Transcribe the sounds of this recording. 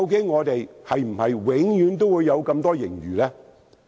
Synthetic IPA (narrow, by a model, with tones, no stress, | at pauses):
wk̬e˨˥jŋɔː˨˧t̪e˨jhɐ˨jm̩˨˩hɐ˨jwɪ˨˥ŋjyː˨˥nt̪o˥wuː˨˧jːɐ˨˧wkɐ˧mt̪ɔː˥jɪ˨˩ŋjy̰ː˨˩lɛː˥